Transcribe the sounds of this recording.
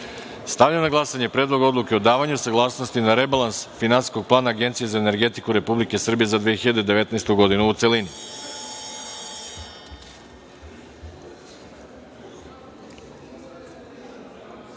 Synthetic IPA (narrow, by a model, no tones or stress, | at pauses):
st̪aʋʎamnaɡlˠasaɲe̞pɾeːd̪lˠoɡo̞d̪lˠuke̞o̞d̪aːʋaɲusaɡlˠaːsnost̪inaɾe̞balansfinansi̥sko̞ɡ̚plˠaːnaːɡe̞nt̪sije̞zaene̞ɾɡe̞t̪ikuɾe̞publike̞sr̩bije̞zad̪ʋijexiʎad̪ed̪e̞ʋe̞t̪naest̪uɡo̞d̪inuːt̪se̞lini